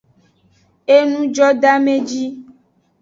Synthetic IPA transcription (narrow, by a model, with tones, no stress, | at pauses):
e˦nũ˦d͡ʒɔ˦ɖa˦mẽ˦d͡ʒi˦